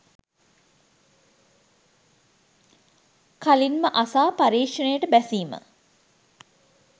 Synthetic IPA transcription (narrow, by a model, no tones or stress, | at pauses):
kalinməʔasaːpaɾiːkʂənəjəʈəbæsiːmə̰